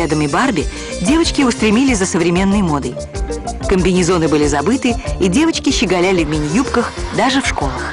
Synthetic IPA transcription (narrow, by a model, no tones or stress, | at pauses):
ad̪əmʲɪbarbʲɪ | dʲe̞vət͡ɕkʲɪʊst̪ɾʲɪmʲilʲɪsʲzəsəvɾʲɪmʲe̞nːəjmo̞d̪əj | kəmʲbʲɪnʲɪzo̞nɨbɨlʲɪzɐbɨt̪ɨidʲe̞vət͡ɕkʲɪɕɪɡɐlʲælʲɪvmʲɪnʲɪjupkəxd̪aʐɨfʂko̞lˠəx